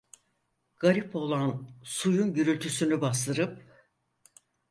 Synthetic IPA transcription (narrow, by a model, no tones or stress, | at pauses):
ɡ̥aɾipo̞lˠansujunɟyɾylʲt̪ʰysynybasˠɯɾɯp̚